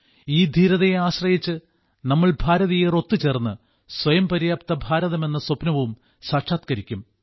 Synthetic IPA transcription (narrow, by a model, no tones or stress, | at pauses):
iːd̪ʱiːɾɐðɐjeaːɕrɐjit͡ɕːɨ | nɐmːɐɭbʱaːɾɐðijero̞t̪ːɨt͡ɕe̞ːrnːɨ | swɐjɐmpɐɾijaːpt̪ɐbʱaːɾɐðɐme̞nːɐsopnɐʋm | saːʂaːt̪kɐɾikʲːum